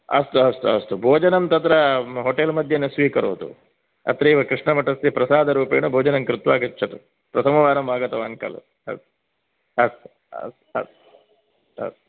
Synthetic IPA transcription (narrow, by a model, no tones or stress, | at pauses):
ɐ̰st̪uɐst̪uɐst̪ubʱoːd͡ʒɐnɐmt̪ɐt̪ɾɐɦoʈelmɐd̪ʱjɐnesʋiːkɐɾṵʋd̪ṵ | ɐ̰t̪ɾɐiʋɐkɾiʂɳɐmɐʈːɐst̪ipɾɐsaːd̪ɐɾuːpɐjɐnubʱoːd͡ʒɐnɐŋkɾut̪ʋaːɡit͡ʃːɐd̪u | pɾɐsʰɐmɐʋaːɾɐmaːɡɐt̪ɐʋaːnkɐ̰lɐ̰ | ɐ̰st̪u | ɐst̪u̥ | ɐ̰st̪u̥ɐ̰st̪u | ɐ̰st̪u